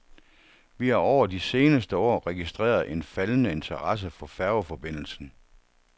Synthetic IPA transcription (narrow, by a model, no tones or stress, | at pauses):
ʋihɑ̈ɒʊ̰ɐdise̝ːnəsd̥əɒ̰ːʁɛɡ̥isd̥ʁɛ̰ːɐð̞̩ˠe̝nfælənəe̝nt͡sʰɐʁɑ̈s̬əfɒ̽fæɐfɒ̽b̥e̝n̰l̩sn̩